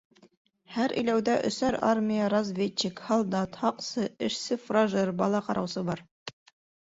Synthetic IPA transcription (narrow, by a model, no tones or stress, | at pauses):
hæɾʔɘ̰̆jlæwd̪æʔɵ̰̆sæɾarmʲijəɾɐzvʲett͡ɕːikhɑlˠd̪ɑt̪hɑqsɤɘ̆ʃsɘfraʒɤɾbɑlˠɑqɑɾʔɑwsɤbɑɾ